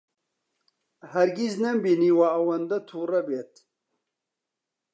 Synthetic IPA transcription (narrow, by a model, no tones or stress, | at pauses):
hɐɾɡiznɐmbiniwaɐwɐnd̪ɐt̪ʰuːrɐbeːt̪